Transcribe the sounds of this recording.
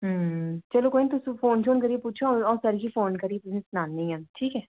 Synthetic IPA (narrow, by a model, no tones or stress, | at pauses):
ɦət͡ʃɛːlõːkoːinit̪ʊsĩːpʰoːnt͡ʃʰoːnkəɾiepuːtːt͡ʃʰaɔːsəɾɡiːpʰoːnkəɾiet̪ʊsĩːsnãːnːĩːə̃nʈʰiːkɛː